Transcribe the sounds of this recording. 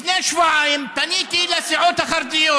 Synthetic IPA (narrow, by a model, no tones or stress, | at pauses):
neaʃvuʕaimpanit̪iilasiʕot̪haχaɾd̪ijo